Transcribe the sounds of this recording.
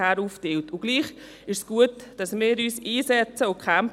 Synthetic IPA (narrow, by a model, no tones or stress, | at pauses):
æɾuːfdeltʊɡ̥liːχ | ɪʃsɡ̥uətd̥ɑsmɪːɾyːsiːsɛt͡səʊkʰɛm